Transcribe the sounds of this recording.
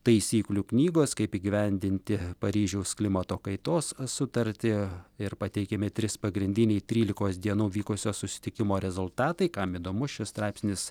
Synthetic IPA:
t̪ɐɪsʲiːklʲuknʲiːɡoːskɐɪpiːɡʲɪʋʲɛnʲd̪ʲɪnʲt̪ʲɪpɐɾʲiːʒʲɛʊsklʲɪmɐt̪oːkɐɪt̪oːssʊt̪ɐɾʲt̪ʲɪɪɾpɐt̪ʲɛɪkʲɛmʲɪt̪ʲɾʲɪspɐɡɾʲɪnʲd̪ʲɪnʲɛɪt̪ʲɾʲiːlʲɪkoːsd̪ʲiɛnuːʋʲiːkʊsʲoːsʊsʲɪ̥t̪ʲɪkʲɪmoːɾʲɛzʊlˠt̪ɑːt̪ɐɪkɐmiːd̪oːmʊʃʲɪst̪ɾɑɪpʲsʲnʲɪs

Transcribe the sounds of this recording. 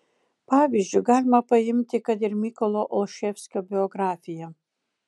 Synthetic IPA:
paːvʲizd͡ʒuɡaːlʲmɐpɐjɪmʲt̪ʲɪkɐd̪ɪrmʲikolˠoʔolˠʃefskɐbʲiɔɡɾaːfʲijɐ

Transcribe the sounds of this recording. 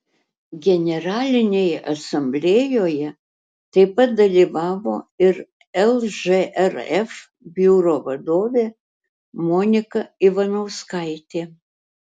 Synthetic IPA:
ɡʲɛnʲɛɾɑːlʲɪnʲejɛʔɐsɐmʲbʲlʲeːjoːjɛ | t̪ɐɪpɐt̪̚d̪ɐlʲiːʋɑːʋoːɪɾ | ɛlˠʒeʔɛɾɛf | bʲjuːɾoːʋɐd̪oːʋʲeː | moːnʲɪkɐɪʋɐnɐʊskɐɪt̪ʲeː

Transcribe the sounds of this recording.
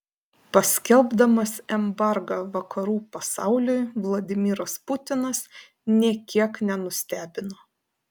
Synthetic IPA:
pɐsʲkʲɛlˠbd̪ɐmɐsɛmbɑˑɾɡɑːʋɐkʰɐɾuːpɐsɑʊlʲʊjʋlˠɐd̪ʲɪmʲɪɾɐspʊt̪ʲɪnɐs | nʲiɛkʲiɛknʲɛnʊsʲt̪ʲæːbʲɪnoː

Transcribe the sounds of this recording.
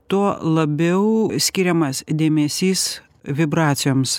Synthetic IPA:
t̪uɔlˠɐbʲɛʊsʲkʲiɾʲɛmɐsd̪ʲeːmʲɛsʲiːs | ʋʲɪbɾɑːt̪sʲɪjoːms

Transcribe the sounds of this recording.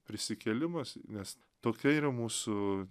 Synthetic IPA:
pʲɾʲɪsʲɪkʲɛːlʲɪmɐsnʲɛs | t̪oːkʲɛiːɾɐmuːsʊ

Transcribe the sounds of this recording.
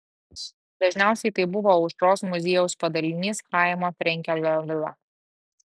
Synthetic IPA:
d̪ɐʒʲnʲæˑʊsʲɛɪt̪ɐɪbʊʋoːʊʃɾoːsmʊzʲeːjɛʊspɐd̪ɐlʲɪnʲiːskɑˑɪmoːt̪ʲɾʲɛŋʲkʲɛlʲoʋʲɪlˠɐ̰

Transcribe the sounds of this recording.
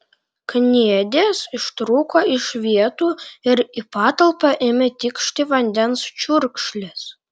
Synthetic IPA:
knʲiɛd̪ʲesɪʃt̪ɾuːkoɪʃʋʲiɛt̪uːɪɾipɑːt̪ɐlˠpɑʔɪmʲɛt̪ʲɪkʃt̪ʲiʋɐnʲd̪ʲɛnst͡ʃʲuɾkʃlʲes

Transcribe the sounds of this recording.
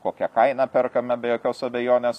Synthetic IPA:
koːkʲɛkɐɪnɐːpʲɛrkɐmʲɛbʲɛjoːkʲoːsɐbʲɛjoːnʲeːs

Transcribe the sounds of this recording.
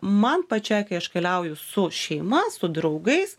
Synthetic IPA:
mɐnpɐt͡ʃʲɛɪkɐɪɐʃkʲɐlʲɛʊjʊsʊʃʲɛɪmɐssʊd̪ɾɐʊɡɐɪs

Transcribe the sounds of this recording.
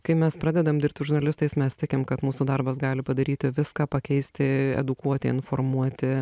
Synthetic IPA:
kɐɪmʲɛspɾɑːd̪ʲɛd̪ɐmd̪ʲɪɾp̚ʲt̪ʲʒʊɾnɐlʲɪst̪ɐɪsmʲɛst̪ʲɪkʲɪmkɐt̪muːsuːd̪ɐrbɐs̬ɡɑːlʲɪpɐd̪ɐɾʲiːt̪ʲɪʋʲɪskɑːpɐkʲɛɪsʲt̪ʲɪɛ̰d̪ʊkuɔt̪ʲɪɪnformuɔt̪ʲɪ

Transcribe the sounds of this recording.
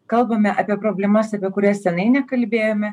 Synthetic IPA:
kɐlˠbɐmʲɛʔɐpʲiɛpɾoːbʲlʲɛmɐsɐpʲiɛkʊɾʲɛsʲsʲɛnɐɪnʲɛkɐlʲbʲeːjoːmʲɛ

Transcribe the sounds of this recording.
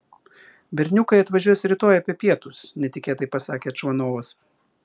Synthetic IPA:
bʲɛɾʲnʲʊkɐɪɐt̪ʋɐʒʲuɔjɛsɾʲɪt̪oːjɐpʲiɛpʲiɛt̪ʊsnʲɛt̪ʲɪkʲeːt̪ɐɪpɐsɑːkʲeːɐt̪ʃʋɐnoːʋɐs

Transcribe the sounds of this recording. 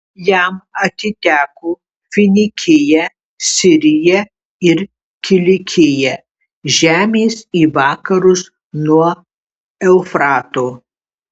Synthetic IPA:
jæmɐt̪ʲɪt̪ʲæːkoː | fʲɪnʲɪkʲʰɪjɛ | sʲɪɾʲɪjɛ | ɪɾ | kʲɪlʲɪkʲʰɪjɛ | ʒʲæːmʲeːsiːʋɑːkɐɾʊs | nuɔ | ɛʊfɾɑːt̪oː

